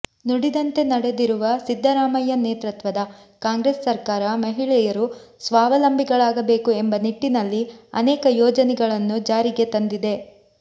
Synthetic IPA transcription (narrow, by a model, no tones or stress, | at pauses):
nuɽid̪ɐnt̪e̞nɐɽe̞d̪iɾuʋɐsid̪ʱːɐɾaːmɐjɐneːt̪ɾɐt̪ʋɐd̪ɐ | kaːŋɡɾesːɐɾkaːɾɐmɐɦiɭɛjɐɾusʋaːʋɐlɐmbʱiɡɐɭaːɡɐbe̞ːkue̞mbɐniʈːinɐlːiɐ̰nɛːkɐjɔːd͡ʒɐnɛɡɐɭɐnːud͡ʒaːɾiɡe̞t̪ɐnd̪id̪e̞